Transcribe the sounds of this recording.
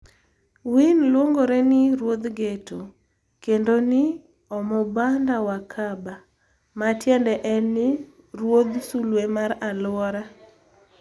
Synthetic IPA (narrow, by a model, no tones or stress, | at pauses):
winlwoŋɡoɾɛnɪɾwod̪ɡetʰo | kendonɪ | ɔmɔbandawakʰaba | matjɛndɛʔɛnɪ | rwod̪sulwemaralʊɔɾa